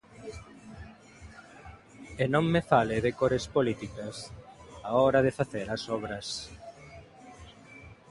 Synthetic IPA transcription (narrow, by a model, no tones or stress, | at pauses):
enõŋmefaleðekoɾespolit̪ikɐsaɔɾɐðefaθeɾasɔβɾɐs